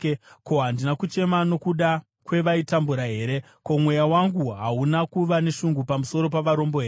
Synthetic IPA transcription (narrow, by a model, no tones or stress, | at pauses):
ko̞ɦandinakut͡ʃe̞mano̞kuɗa | kwe̞ʋaitambuɾaɦe̞ːɾe̞ | ko̞mwe̞jawaŋɡuɦaunakuʋane̞ʃuŋɡupamuso̞ɾo̞paʋaɾo̞mboɦeː